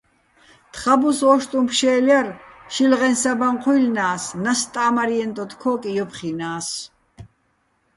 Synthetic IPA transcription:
t̪ʰχabusɔʃt̪ʼumpʰʃɛːljaɾʃilʁɛnsabaɴqʰujlnaːsnast̪ʼaːmaɾiɛnt̪ʼɔt̪ʰkʰɔːkʼijɔpʰχinaːs

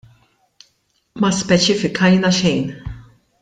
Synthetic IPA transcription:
mɐspɛt͡ʃɪfɪkʰɐjnɐʃɛjn

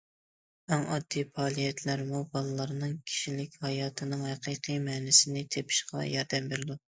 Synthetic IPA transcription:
ɛŋɑ̰d̪ːipɑːlˠijɛt̪ʰlæɾmubɑlˠɨlːˠəɾɨnɨŋkʲʰi̥ʃilɪkʲhɑjɑːt̪ʰɨnɨŋhæqijqʰɨjmɛːnɪsɪnɪt̪ʰepʰɪ̥ʃqɑ̰jɑɾd̪ɛmbeɾɪd̪u

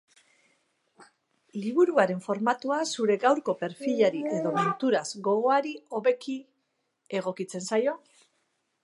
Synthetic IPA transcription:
liβuɾuaɾe̞ɱfo̞ɾmat̪uasuɾe̞ɣawɾko̞pe̞ɾfiʎaɾie̞ðo̞ment̪uɾazɡo̞ɣ̞o̞aɾio̞βe̞ki | e̞ɣ̞o̞kit͡se̞nsajo̞

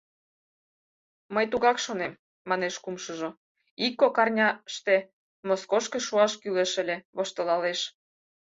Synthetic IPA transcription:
məjt̪uɣɑkʃonemː | ɑneʃkumʃəʒo | ikːokɑrnʲɑʃt̪e | moskoʃkĕʃuɑʃkyleʃə̆lʲeβoʃt̪ə̆lɑleʃ

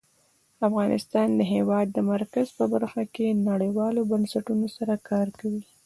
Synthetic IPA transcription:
afɣɑnʔɪ̰st̪ɑnd̪əɦewɑd̪ːəmaɾkazpəbaɾxakenaɽəjwɑlobansaʈunosaɾakɑɾkawi

